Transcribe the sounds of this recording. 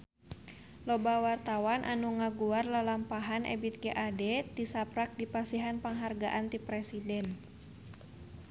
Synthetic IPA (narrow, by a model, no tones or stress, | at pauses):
lɔbawart̪awanʔa̰nuŋaɡuarlalampaɦanʔɛ̰bit̪̚ɡeʔadɛt̪isapɾak̚dipasiɦanpaŋɦarɡaʔant̪ipɾɛsidɛn